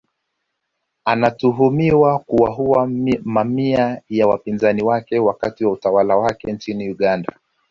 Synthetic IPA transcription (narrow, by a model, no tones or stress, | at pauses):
anatuɦumiwakuwaɦuwamamiajawapinzaniwakɛwakatiwautawalawakɛnt͡ʃiniuɠanda̰